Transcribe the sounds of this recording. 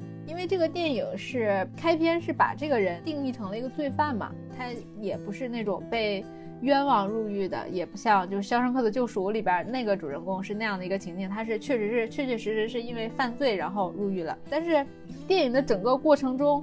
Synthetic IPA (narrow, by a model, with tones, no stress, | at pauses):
i˥nwe˥˧ɪʈ͡ʂɤ˥˩ɡə˩t̪jɛ˥˩ni˨˩ŋʂɻ̩˥˩˧kʰa˥ɪpʰjɛ˥nʂɻ̩˥˩pa̰˨˩ʈ͡ʂɤ˥˩ɡə˩ɻə˧˥nt̪i˥˧ŋli˥˩ʈ͡ʂʰɤ˧˥ŋlə˧i˧˥ɡə˧t͡swe˥˧ɪfa˥˩nmɐ̰˩t̪ʰa˥ | jɛ˨˩pu˧˥ʂɻ̩˥˧ne˥˩ɪʈ͡ʂʊ˨˩ŋpe˥˧ɪ | ɥɛ˥nwɑ˨˩ŋɻu˥˧y˥˩d̪ə̰˩jɛ˨˩pu˧˥ɕjɑ˥˧ŋt͡ɕjo˥˧ʊʂɻ̩˩ɕjɑ˥ʊʂɤ˥ŋkʰɤ˥˩d̪ə˩t͡ɕjo˥˧ʊʂu˥˩˧li˨˩bjə̰˧˩˥ne˥˩ɪɡə˩ʈ͡ʂu˨˩ɻə˥˩nkʊ˥ŋʂɻ̩˥˧na˥˧jɑ˥˩ŋd̪ə˩i˧˥ɡə˧t͡ɕʰi˧˥ŋt͡ɕ̪ʰi˥˩ŋt̪ʰa˥ʂ̬ɻ̩˥˧t͡ɕʰɥɛ˥˩ʂɻ̩˧˥ʂɻ̩˥˧t͡ɕʰɥɛ˥˩ɥɛ˥˩ʂɻ̩˧˥ʂɻ̩˧˥ʂ̬ɻ̩˥˧i˥nwe˥˧ɪfa˥˧nt͡swe˥˩ɪɻa˧˥nxo˥˧ʊɻu˥˧y˥˩lə̰˩t̪a˥˧nʂɻ̩˥˧ | t̪jɛ˥˩ni˨˩ŋd̪ə˦ʈ͡ʂɤ˨˩ŋkə˥˧kwɔ˥˩ʈ͡ʂʰɤ˧˥ŋʈ͡ʂʊ˥ŋ